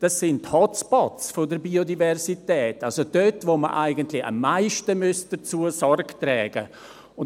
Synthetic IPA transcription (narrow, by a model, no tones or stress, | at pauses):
d̥asːɪnthɔt͡spɔt͡sfodəɾbiːodivɛɾsitɛːtalsod̥øtvoməʔaɪɡəntlɪa̰mːaɪʃtəmøs̚d̥ət͡suːəsɔrɡtɾɛːɡ̥ə | ʊn